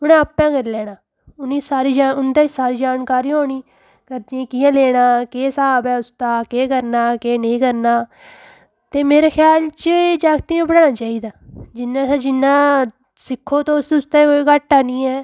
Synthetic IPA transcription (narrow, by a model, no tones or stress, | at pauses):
ʊnẽːəpːãːkəɾlɛːɽaː | ʊniːsaːɾiːd͡ʒaʊnd̪aːsaːɾiːd͡ʒaːnkaːɾiːɦoːɽ̃iː | kəɾd͡ʒẽːkɪjãːleːɽaːkeːsaːbɛːʊst̪aːkeːkəɾnaːkeːnəĩːkəɾnaː | t̪eːmeːɾaːkʰjaːlt͡ʃəd͡ʒaːɡt̪iːãːbəɽãːnaːt͡ʃaːiːd̪aːd͡ʒɪnːãːsaːd͡ʒɪnːãː | sɪkʰːoːt̪õːʊsʊst̪ãːkoːiːkaʈːaːnĩːɛː